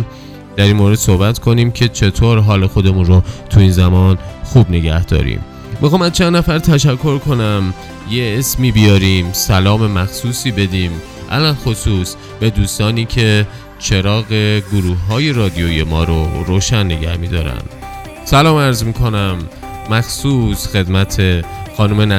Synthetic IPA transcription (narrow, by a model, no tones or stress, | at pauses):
d̪̥æɾinmoːɾe̞d̪̥sohbæt̪ʰkʰo̞niːmcʰe̞t͡ʃʰe̞t̪ʰoːɾɦɒːlexo̞d̪e̞munrot̪ʰuiːnzæmɒːnxuːbne̞ɟæhd̪ɒ̰ːɾḭːm | mːixɑːmæzt͡ʃʰænd̪næfæɾt̪ʰæʃ̬ækʰːo̞ɾkʰo̞næm | jeesmiːbijɒːɾiːmsælɒːme̞mæxsuːsiːbe̞d̪iːm | ʔæ̰lænxosuːs | b̥e̞d̪uːst̪ɒːniːcʰe̞ | t͡ʃʰe̞ɾɒːɣe̞ɡoɾuːhːɒːje̞ɾɒːd̪ijoje̞mɒ̰ːɾoɾoːʃænːe̞ɡæhmiːd̪ɒːɾæ̰nd̪ | sælɒːmæɾzmiːkʰo̞næmː | æxsuːsxe̞d̪mæt̪ʰexɒːnumenæ